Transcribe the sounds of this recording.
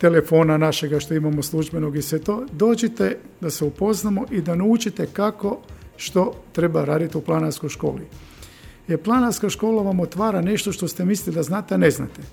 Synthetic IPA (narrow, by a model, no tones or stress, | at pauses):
t̪elefo̞ːnanaʃe̞ɡaʃt̪o̞imamo̞slˠuʒbeno̞ɡisʋe̞t̪o̞ːd̪o̞ːd͡ʒet̪e | d̪aseupo̞znamoʔid̪aneut͡ʃit̪e̞kako̞ʃt̪o̞t̪ɾe̞baɾaːd̪it̪iuplˠanaɾskojʃko̞̰ːli | jeɾplˠanaɾskaʃko̞ːlaʋamot̪ʋaːɾane̞ʃt̪o̞ʃt̪ost̪e̞misliid̪aznaːt̪eane̞zna̰t̪e